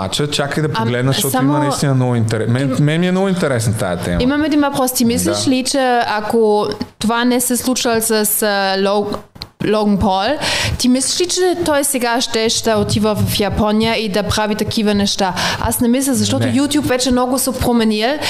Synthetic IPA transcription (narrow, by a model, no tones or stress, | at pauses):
a̰t͡ʃət͡ʃakəjd̪ɐpɡlɛd̪nəʃtɔtsaimonɐist̪inɐnɔɡʊint̪ɛɾɛmɛmɛmiɛmnɔɡʊint̪ɛɾɛsnɐt̪a̰ɛt̪ɛ̰mimɐmɛd̪invɐpɾɔst̪imisliʃlit͡ʃɛakot̪ovanɛsɛslˠut͡ʃɐlˠsɐslo | loɡŋpɔlt̪imisliʃlit͡ʃɛt̪ɔjsɛɡaʃt̪ɛʃd̪ɐot̪ivəvɐfjapɔnijəid̪ɐpɾavit̪ɐkʰivɐnɛʃt̪aa̰snɛmislʲɐlzɐʃt̪ɔtt̪ʊjut̪jupvɛt͡ʃɛmnɔɡʊsopɾomɛnilˠ